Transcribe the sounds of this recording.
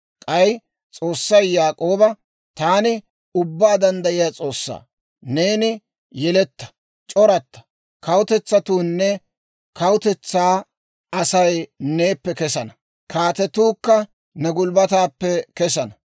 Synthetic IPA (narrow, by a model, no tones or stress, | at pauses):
kʼɐj | t͡sʼo̞ːsːɐjjaːkʼo̞ːbɐ | t̪aːnɪ | ʊbːaːd̪ɐnd̪ɐʔɪjaːt͡sʼo̞ːsːa̰ː | ne̞ːnɪ | jɛlɛt̪ːɐ̥ | t͡ʃʼɔɾɐt̪ːɐ̥ | kɐwʊt̪ɛt͡sːɐt̪uːnːɛ | kɐwʊt̪ɛt͡sːaː | ɐsɐjneːpːɛkɛsɐnɐ | kʰaːt̪ɛt̪uːkːɐ | nɛɡʊlbɐt̪aːpːɛkɛsɐnɐ